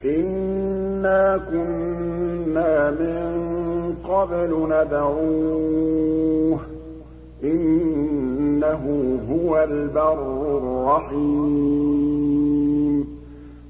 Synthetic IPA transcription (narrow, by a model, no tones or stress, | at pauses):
ʔɪnː | aːkʊnː | aːmɪŋŋqɑblnad̪ʕuː | h | ʔɪnː | aɦʊɦʊwalbarːʊrˤːɑħiː | m